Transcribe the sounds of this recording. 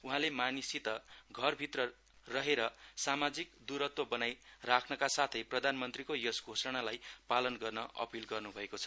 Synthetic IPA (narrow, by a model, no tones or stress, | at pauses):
uɦãlemanisit̪ʌɡʱʌrbʱit̪rʌ | rʌɦeɾʌsamad͡zikd̪uɾʌt̪wʌbʌnajrakʰnʌkasat̪ʰʌjprʌd̪ʱanmʌnt̪rikojʌsɡʱosʌɽ̃alajpalʌnɡʌrnʌʔʌ̰pilɡʌrnubʱʌekot͡sʰʌ